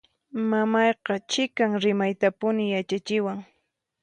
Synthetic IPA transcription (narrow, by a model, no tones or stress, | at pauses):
mamɑjqɑt͡ʃɪkaŋɾɪmajt̪apʊnɪjat͡ʃat͡ʃɪwaŋ